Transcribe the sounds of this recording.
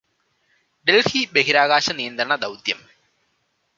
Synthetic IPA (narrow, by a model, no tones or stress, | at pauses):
ɖelhibeɦiɾaːɣaːɕɐnijɐnd̪ɾɐɳɐd̪ɐwt̪jɐm